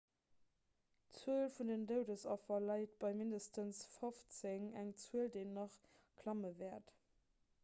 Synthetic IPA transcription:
t͡suəlfundəndəʊdəsɑfɐlɑɪt̚b̥ɑɪmindəstənsfoft͡seŋæŋt͡suəldeːnːɑχ | kʰlɑməvɛːɐt

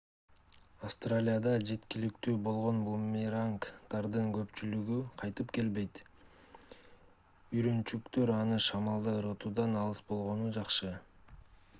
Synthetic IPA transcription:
ɑvst̪ralʲijad̪ɑd͡ʒe̞t̪kilikt̪yːbo̞lˠʁo̞nbumiɾaŋkt̪ɑɾd̪ɯŋɡø̞pt͡ʃylyɡyqʰɑjt̪ɯpke̞lbe̞jt̪ | yɾynt͡ʃykt̪ø̞ɾɑnɯʃɑmɑlˠd̪ɯɾot̪ud̪ɑnɑlˠɯsbo̞lˠʁo̞nud͡ʒɑqʃɯ

